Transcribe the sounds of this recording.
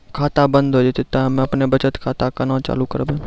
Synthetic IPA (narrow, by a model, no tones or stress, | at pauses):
kʰaːt̪abə̃nd̪ɦod͡ʒɪt̪ɪt̪ːaɦɐmẽɐpnebɐt͡ʃət̪kʰaːt̪akɐnat͡ʃa̰ːlukəɾbẽː